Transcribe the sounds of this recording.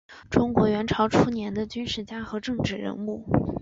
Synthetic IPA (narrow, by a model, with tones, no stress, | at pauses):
ʈ͡ʂʊ˥ŋkwɔ˧˥ɥɛ˧˥nʈ͡ʂʰɑ˧˥ʊʈ͡ʂʰu˥njɛ˧˥nd̪ə˧t͡ɕy˥nʂɻ̩˥˩t͡ɕja˥xɤ˧˥ʈ͡ʂɤ˥˧ŋʈ͡ʂɻ̩˥˩ɻə̰˧˥nu˥˩